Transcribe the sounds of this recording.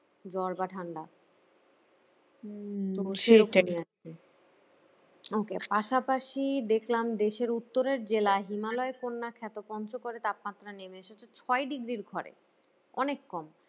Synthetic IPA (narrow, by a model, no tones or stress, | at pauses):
d͡ʑɔɾbaʈʰaɳɖa | oʃeoknia | e | okepaʃapaʃid̪ekʰlamd̪eʃeɾut̪ːoɾeɾd͡ʑelaɦimalɔekonːakʰɛt̪opɔnt͡ɕokoɾet̪ap̚mat̪ːɾanemeeʃet͡ɕʰet͡ɕʰɔeɖiɡɾiɾɡʱɔɾḛ | ɔnekːɔm